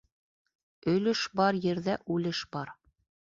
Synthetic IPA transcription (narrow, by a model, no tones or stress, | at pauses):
ɵ̆lɘʃbɑɾjɘ̆ɾðæʔʉlɘʃbɑɾ